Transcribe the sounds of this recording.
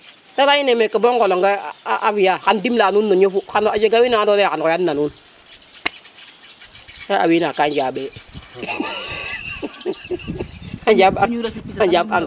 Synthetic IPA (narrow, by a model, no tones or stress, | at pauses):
talajinemekːabɔŋkɔlɔŋɡaʔafijaːkandimlaːnunːɔɲofuanad͡ʒeɡawinaadɔnɛkanɔjanːanun | taa̰winakand͡ʒabɛ | ad͡ʒabad͡ʒaba̰ŋ